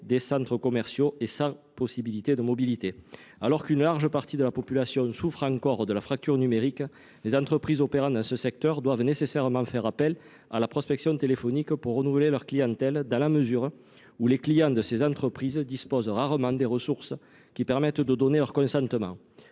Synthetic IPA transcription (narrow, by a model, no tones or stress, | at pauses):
d̪esɑ̃nt̪χəkɔmɛʁsjoesɑ̃ | pɔsibilit̪ed̪əmɔbilit̪e | alɔʁkynəlaʁʒəpaʁt̪id̪əlapɔpylasjɔ̃sufχɑ̃ŋkɔʁd̪əlafχak̚t̪yʁənymeʁik | lezɑ̃nt̪χəpχizɔpeʁɑ̃nd̪ɑ̃səsɛk̚t̪œʁd̪wavnesesɛʁəmɑ̃fɛʁapɛl | a̰lapχɔspɛksjɔ̃t̪elefɔnikpuʁːənuvəlelœʁklijɑ̃nt̪ɛld̪ɑ̃laməzyʁ | uleklijɑ̃d̪əsezɑ̃t̪χəpχizəd̪ispɔzʁaʁəmɑ̃d̪eʁəsuʁsə | kʲipɛʁmɛt̪d̪əd̪ɔnelœʁkɔ̃sɑ̃nt̪əmɑ̰̃ŋ